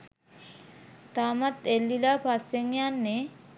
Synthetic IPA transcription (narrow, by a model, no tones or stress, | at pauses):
t̪amat̪elːilapʰaseŋjanːe